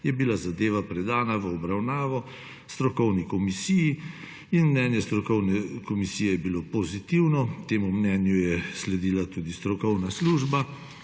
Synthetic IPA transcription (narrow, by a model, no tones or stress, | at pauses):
jɛbilazad̪eːʋapɾɛd̪aːnaʋəɔbɾawnaːʋɔ | st̪ɾɔkɔwnikɔmisiji | inmnɛnjɛst̪ɾɔkɔwnɛkɔmisijɛjɛbilopɔzit̪iwnɔt̪eːmumnɛːnjujɛslɛd̪iːlat̪uːd̪ist̪ɾɔkɔwnasluːʒba